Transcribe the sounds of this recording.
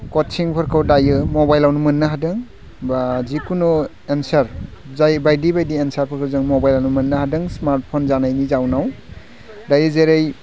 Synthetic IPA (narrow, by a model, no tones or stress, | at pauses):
kɔtt͡ʃiŋpʰɯɾkʰɯwdajɯmobajlawnumɯnːɯɦadɯŋ | bazikunɔ | ensaɾzajbajdibajdiensaɾpʰɯɾkʰɯwzɯŋmobajlawnumɯnːahadɯŋsmaɾt̚pʰonzanajnizawnaw | dajɯzeɾej